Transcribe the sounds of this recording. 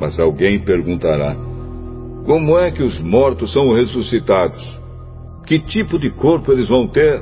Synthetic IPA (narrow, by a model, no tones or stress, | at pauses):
mɐzawɡẽj̃peɾɡũnt̪aɾa̰ | kõmʊɛkɪʊzmɔɾt̪ʊssɐ̃w̃hesusit̪ad̪ʊs | kɪt͡ʃ̪ipʊd̪ɪkoɾpʊelɪzvɐ̃w̃t̪eɾ